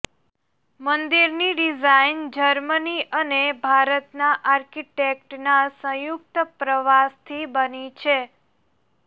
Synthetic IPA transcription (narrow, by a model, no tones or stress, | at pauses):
mənd̪iɾniɖizaind͡ʒəɾməniʔənebʱaɾət̪naʔaɾkiʈek̚ʈnasə̃juk̚t̪əpɾəʋast̪ʰibənit͡ʃʰe